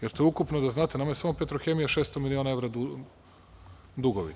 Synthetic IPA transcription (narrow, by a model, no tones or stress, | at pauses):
jeɾt̪oeukupnod̪aznaːt̪enamajesamopet̪ɾoxe̞mijaʃeːst̪omilio̞nae̞ʋɾau | d̪uɡoʋḭ